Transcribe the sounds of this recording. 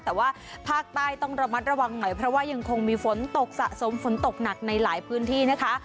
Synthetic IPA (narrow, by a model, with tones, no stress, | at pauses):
t̪ɛː˨˩waː˥˩ | pʰaː˥˩k̚t̪aː˥˩jt̪ɔ˥˩ŋɾa˧ma˦˥t̪̚ɾa˧wa˧ŋnɔ˨˩˦jpʰɾɔ˦˥waː˥˩ja˧ŋkʰo˧ŋmiː˧fo˩˦nt̪o˨˩k̚sa˨˩ʔso˩˦mfo˨˩˦nt̪o˨˩k̚na˨˩k̚na˧jlaː˩˦jpʰɯː˦˥nt̪ʰiː˥˩na˦˥kʰa˦˥